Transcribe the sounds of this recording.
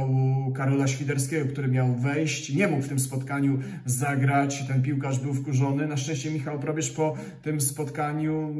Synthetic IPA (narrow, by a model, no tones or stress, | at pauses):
wukaɾɔlaɕfʲid̪ɛɾskʲɛɡɔkt̪uɾɘmʲjawvɛjɕt͡ɕɲɛmukft̪ɘmspɔt̪kaɲu | zaɡɾat͡ɕt̪ɛnpʲiwkaʐbɘwfkuʐɔnɘnaʂtɛ̃ɕt͡ɕɛmʲixawpɾɔbʲjɛʂpɔ | t̪ɘmspɔt̪kaɲu